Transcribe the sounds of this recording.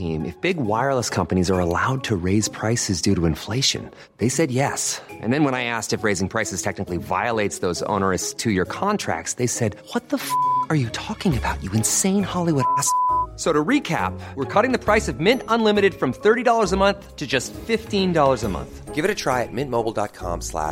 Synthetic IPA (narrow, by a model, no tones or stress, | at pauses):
ḭ̃mʔɨ̰fb̥ɪɡwaɪə˞lˠəskʰʌ̃mpɨñizə˞əlaʊd̚tʰɨɹeɪz̥pʰɹ̥aɪsɨzdʉɾəɨ̃ɱfleɪʃɨ̰̃n | ðeɪsɛd̚jɛsʔɨ̰̃nðɨ̃nwə̃ñaɪæstɨfɹeɪzɪ̃ŋpʰɹ̥aɪsɨz̥tʰɛk̚nɨkliva̰ɪəleɪtsðoʊzõ̰ʊ̃nə˞ɨstʰɨjə˞kʰɑ̃ntʰɹ̥æ̰k̚tsðeɪsɛd̚wʌt̪̚ðəfʌkə˞jɨtʰɔkɪ̃ŋɨbaʊt͡ʃɨɨ̃nsẽɪ̃nhɑlˠiwʊɾæsk̚soʊɾəɹikʰæ̰pwəɹkʰɔɾɪ̃ŋðɨpʰɹ̥aɪsʌvmɪ̃ntə̃nlɪ̃mɨɾɨd̥fɹʌ̃mθɜ˞ɾidɔlˠə˞zəmʌ̃nθtʰɨd͡ʒʌstfɪftĩndɔlˠə˞zəmʌ̰̃nθɡ̥ɪvɨɾɨtʰɹ̥aɪɨt̚mɪ̃nmoʊbl̩ˠdɑ̰t̚kʰɑ̰̃mslæ̰